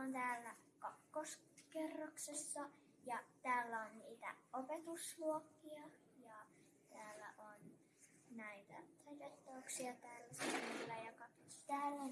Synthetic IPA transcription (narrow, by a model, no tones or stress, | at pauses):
ont̪æːlːæ | kɑkːos | kerːɑksesːɑ | jɑt̪æːlːæonniːt̪æ̰opet̪usluokːiɑ | jɑ | t̪æːlːæ̰ʔon | næit̪æ̰t̪ɑit̪et̪ːoːksiɑt̪æːlːæsnilːæjɑkɑt̪æːlːæ